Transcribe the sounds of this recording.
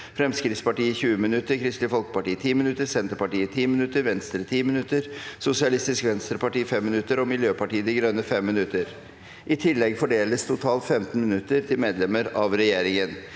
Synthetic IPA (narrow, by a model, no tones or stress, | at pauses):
fɾɛmskɾɪtspɑʈiːɪçʉːəmɪnʉt̪ːəɾkʰɾɪst̪lɪəfɔlkə̥pɑʈiːət̪ʰiːmɪnʉt̪ːəɾsɛnt̪əɾpɑʈiːət̪ʰiːmɪnʉt̪ːəɾʋɛnst̪ɾət̪ʰiːmɪnʉt̪ːəɾsʊsɪɑlɪst̪ɪskʋɛnst̪ɾəpɑʈiːfɛmːɪnʉt̪ːəɾɔmɪljøːpɑʈiːəd̪ɪɡɾœnəfɛmːɪnʉt̪əɾ | ʔɪt̪ʰɪlːɛɡfɔɖeːləst̪ʰʊt̪ʰɑːlt̪fɛmt̪nmɪnʉt̪ːəɾt̪ʰɪlmeːd̪lɛməɾɑʋɾɛjeːɾɪŋən